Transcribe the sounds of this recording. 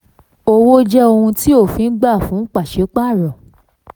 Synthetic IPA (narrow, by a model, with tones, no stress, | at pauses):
o˦˨wo˦d͡ʒɛ˦o˧hũ˧ti˦o˦˨fĩ˧n̩˦ɡ͡ba˦˨fũ˨˦k͡pa˦˨ʃe˨˦k͡pa˦˨ɾɔ̃˨